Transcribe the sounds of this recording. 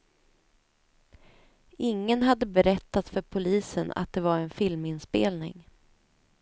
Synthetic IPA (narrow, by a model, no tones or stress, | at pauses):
ɪŋːənɦad̪ːəbɛɾɛt̪ːat̪fœɾpʰʊliːsəna̰t̪̚d̪ɛvaɾɛnfɪlmɪnspeːlnɪ̰ŋ